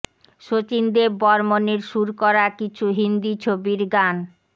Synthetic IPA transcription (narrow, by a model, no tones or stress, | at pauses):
ʃot͡ɕind̪ebbɔɾmoneɾʃuɾkɔɾakit͡ɕʰuɦind̪it͡ɕʰobiɾɡan